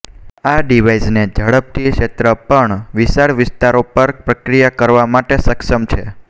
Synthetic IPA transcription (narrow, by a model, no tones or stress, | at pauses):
aɖiʋaisned͡ʒəɽəp̚t̪ʰikʃet̪ɾəpəɳʋiʃaɾʋɪst̪aɾopəɾpɾəkɾijakəɾʋamaʈesəkʃəmt͡ʃʰe